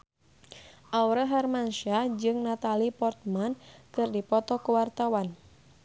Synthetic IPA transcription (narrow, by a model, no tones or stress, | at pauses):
ʔawɾəɦarmanʃad͡ʒɨŋnat̪alipɔrt̪̚mankɨrdipɔt̪ɔkuwart̪awan